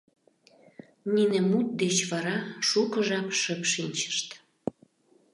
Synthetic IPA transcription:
ninĕmut̪̚d̪et͡ɕβɑɾɑʃukəʒɑpʃəpʃinʲt͡ɕə̥ʃt̪

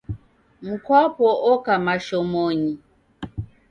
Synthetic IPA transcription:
m̩kwapɔʔɔkamaʃɔmɔɲi

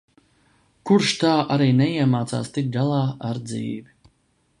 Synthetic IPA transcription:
kuɾʃt̪aːʔaɾiːnɛiɛmaːt̪sa̰ːst̪ik̚ɡalˠaːaɾd̪zḭːvi

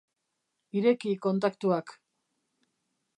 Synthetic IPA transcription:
iɾe̞kiko̞nt̪̬akt̪uak

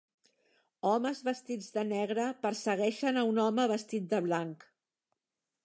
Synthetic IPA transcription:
ɔməzβəst̪id͡zðənɛɣɾəpəɾsəɣɛʃənəunɔməβəst̪it̪̚d̪əβlaŋk

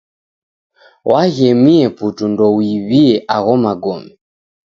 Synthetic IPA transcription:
wʔaɣɛmiɛputundɔwiβiɛʔaɣɔmaɡɔmi

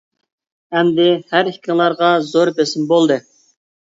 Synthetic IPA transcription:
hɛmd̪ɪhæɾikʲʰɪŋlˠɑɾʁɑzoɾbesɪmbolˠd̪ɨ

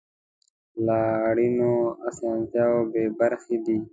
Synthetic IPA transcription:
laːɽinoːasãːnt͡ɕaːobeːbəɾxid̪iː

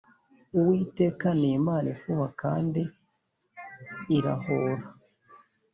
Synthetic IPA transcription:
uwiːte̞ːkaniːmaːnifuhaka̰ːndi | ɾa̰hoɾa

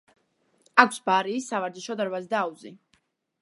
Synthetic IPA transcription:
akʷʰsbaɾiːsːavaɾd͡ʒ̪iʃɔd̪aɾvazd̪aːuzi

